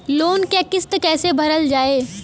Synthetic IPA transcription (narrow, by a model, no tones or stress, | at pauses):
loːnkeːkɪst̪kɛːsebʱɐɾəld͡ʒaːeː